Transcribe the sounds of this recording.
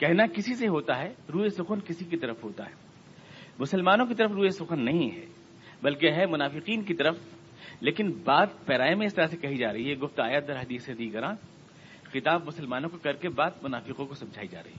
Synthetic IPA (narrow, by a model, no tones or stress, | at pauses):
kɛɦnakɪsiseɦoːt̪aɦɛːɾuːesʊxənkɪsik̬it̪ɐɾəfɦoːt̪a̰ɦɛː | mʊsəlmaːnõk̬it̪ɐəɾəfɾuːesʊxənːɐɦĩɦɛ̰ː | bɐlkeɦɛmʊnaːfɪqiːnkit̪ɐɾəf | leːkɪnbaːd̪̚pɛːɾaːjmẽɪst̪ɐɾasekɐɦid͡ʒaːɾɐɦiɦɛɡʊft̪aːjəd̪ɐɾɦɐd̪iːsed̪iːɡəɾã | xɪt̪aːbmʊsəlmaːnõkokɐɾkebaːd̪̚mʊnaːfɪqõkosɐ̃md͡ʒʱa̰ːid͡ʒa̰ːɾɐ̰ɦiɦɛ